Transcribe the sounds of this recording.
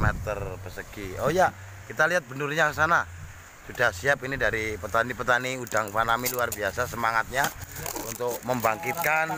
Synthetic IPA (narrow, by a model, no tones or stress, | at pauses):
mɛt̪ərbəsəɡ̥iojaʔ | kit̪aliɦat̪̚bənʊrɲakəsana | sud̥ahsiapinidaɾipət̪anipət̪aniudaŋfanamiluarbiasasəmaŋat̪̚ɲaunt̪ʊk̚məmbaŋkit̪̚kan